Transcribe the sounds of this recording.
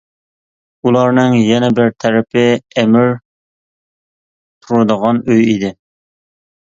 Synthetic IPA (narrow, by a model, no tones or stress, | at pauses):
ulˠɑɾnɨŋjɛnɛbɪɾt̪ʰæɾɪpʰɪɛmɪɾ | t̪ʰuɾɨd̪əʁɑnøjid̪ɪ